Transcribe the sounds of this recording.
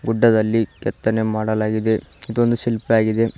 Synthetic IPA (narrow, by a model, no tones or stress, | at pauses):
ɡuɖːɐd̪ɐlːikɛt̪ːɐnemaːɽɐlaːɡid̪e̞id̪ond̪usilpaːɡid̪e̞